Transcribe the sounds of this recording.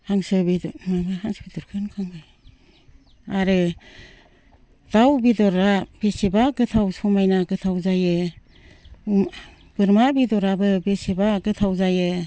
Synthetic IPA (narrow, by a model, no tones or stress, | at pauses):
haŋsɯbidmabɯɦaŋsɯ̥bidɔɾkʰɯnkʰaŋɯj | aɾɯ | d̥awbidɔɾabesebaɡɯtʰawsumajnaɡɯtʰawzajɯ | b̥ɯɾmabidɔɾabɯbesebaɡɯtʰawzajɯ